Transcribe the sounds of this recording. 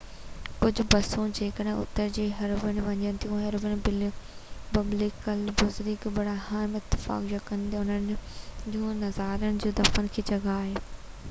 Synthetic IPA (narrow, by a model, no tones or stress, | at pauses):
kʊd͡ʑʱʊ̆bɐsũd͡ʑeːkəɗɦʊ̰t̪ːəɾd͡ʑeːɦɐɾbənɪ̆ʋɐɲənɪt̪ʰijũɦɐɾbənɪ̆b | pɐblɪkəlbʊzɾɪkbɐɽahaːɪmɪt̪ːɪ̥fa̰ːkjɐkːɐ̃nd̪eʊnənɪd͡ʑũːnɐzaːɾəɽ̃ɪ̆d͡ʑũːd̪ɐfənɪ̆kʰeːd͡ʑɐɡaːɦeː